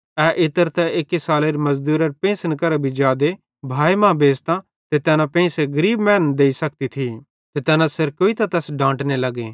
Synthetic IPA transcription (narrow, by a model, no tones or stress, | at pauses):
ɛʔɪt̪əɾt̪ɛekisaːleɾimɐzd̪uːɾɐɾpẽːsənkɐɾabʱid͡ʒjaːd̪e | bʱaːimãːbeːst̪ã | t̪et̪ɛːnãpẽːseɡɐɾiːbmɛːnəd̪eːisɐk̚t̪it̪ʰi | t̪et̪ɛːnãseɾkoːit̪at̪ɛsɖãːʈnelɐɡeː